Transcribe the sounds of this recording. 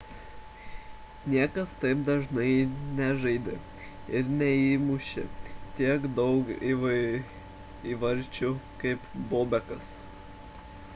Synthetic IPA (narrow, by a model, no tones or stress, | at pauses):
nʲiɛkɐst̪ɐɪp̚d̪ɐʒnɐɪnʲɛʒɐɪd̪ʲɪ | ɪɾnʲɛiːmʊʃʲɪ̰t̪ʲiɛkd̪ɒʊkiʋɐ | iʋɐɾʲt͡ʃʲukɐɪpboːbʲɛkɐs